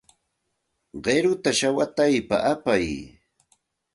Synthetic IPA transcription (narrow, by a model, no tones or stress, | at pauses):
ɢeɾʊt̪aʃawat̪ajpa̰ʔapaj